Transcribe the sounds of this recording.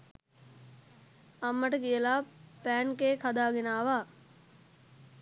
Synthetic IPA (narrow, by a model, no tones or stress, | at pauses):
ɐmːəʈəkijəlaːpæːnkeːkʰad̪aːɡinaːʋaː